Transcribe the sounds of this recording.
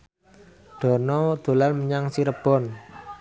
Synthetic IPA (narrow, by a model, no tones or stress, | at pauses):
d̪̥ɔ̤nɔd̪̥o̤lanməɲaŋsiɾəb̥ɔ̤n